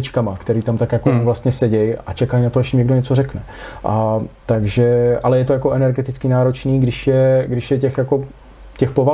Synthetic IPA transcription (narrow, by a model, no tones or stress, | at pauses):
ɪt͡ʃkamakt̪ɛɾiːt̪amt̪akjakovlast̪ɲɛsɛɟɛja̰t͡ʃɛkajnat̪oɛʃɪmɲɛɡdoɲɛt͡so̞ɾɛknɛ | ʔat̪aɡʒɛʔalɛjɛt̪o̞jako̞ʔɛnɛɾɡɛt̪ɪt͡skɪnaːɾo̞t͡ʃniːɡdɪʃjɛɡdɪʃjɛcɛxjako̞ | cɛxpo̞va